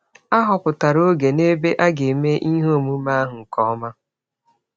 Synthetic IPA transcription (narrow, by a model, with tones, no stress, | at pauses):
a˦ɦɔ˨pʊ˨ta˨ɾo˦ɡe˨ne˦be˦ʔa˦ɡe˨me˦ʔi˦ɦo˦˨mu˦ma˦ɦʊ˨ŋ̩˨kɔ˦ma˦